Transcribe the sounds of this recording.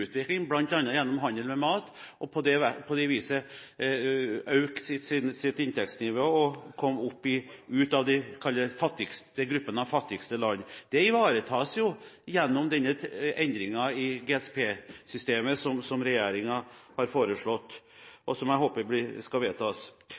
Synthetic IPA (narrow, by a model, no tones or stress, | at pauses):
ʉːt̪ʋɪklɪŋblɑnt̪ɑnːəjɛnːɔmɦɑnəlmɛmɑːt̪ʔɔpʰɔd̪ɛpʰɔd̪ɛʋiːsə | œʉksɪsɪnsɪt̪ɪnt̪ʰɛkst̪nɪʋoːɔkʰɔmːʊpːɪʉːt̪ɑʋd̪ɛkʰɑlːəfɑt̪ːɪɡsd̪ɛɡɾʉpːənəɑʋfɑt̪ːɪɡst̪əlɑnːd̪̥ɛɪʋɑːɾət̪ʰɑːsjʊ | jɛnːɔmd̪ɛnːəɛnd̪ɾɪŋɑɪɡeːɛspʰeːsʏst̪eːməsɔmsɔmɾɛjeːɾɪŋɑhɑɾfoːɾəʂɭɔt̪ː | ʔɔsɔmæɪhoːpəblɪskɑʋeːt̪ʰɑːs